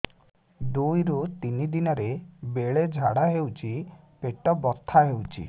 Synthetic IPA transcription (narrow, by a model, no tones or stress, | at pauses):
d̪ujɾut̪inid̪inɔɾebeɭed͡ʒʱaɽaɦewt͡ʃʰi | peʈɔbɔt̪ʰːaɦewt͡ʃʰḭ